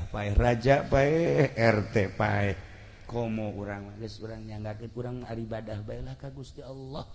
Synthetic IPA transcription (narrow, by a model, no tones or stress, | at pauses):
paɛhrad͡ʒaʔpaɛhɛrt̪ɛpaɛh | komɔuɾaŋlaɡəsuɾaŋɲaŋɡakənuɾaŋaɾibadahbaɛlahkaɡust̪iɑlːɔh